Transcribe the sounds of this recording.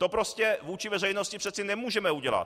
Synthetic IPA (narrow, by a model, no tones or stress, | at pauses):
t̪o̞pɾo̞scɛvuːt͡ʃɪvɛrɛjnoscɪpr̝̥ɛt̪sɪnɛmuːʒɛmɛuɟɛla̰t̪̚